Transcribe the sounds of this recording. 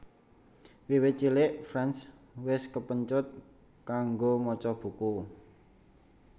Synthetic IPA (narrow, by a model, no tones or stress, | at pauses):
wiwɪt͡ʃilɪʔfɾans | wɪskəpəɲt͡ʃʊt̪̚ | kaŋɡomɔt͡ʃɔb̥ṳku